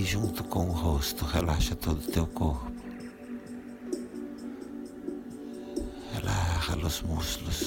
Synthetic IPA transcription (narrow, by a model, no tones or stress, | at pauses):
ʒũnt̪ʊ̥kõʊɦost̪ʊhelaʃɐt̪od̪ʊt̪ewkoɾpʊ̥ | helaʃɐlʊzmusklʊs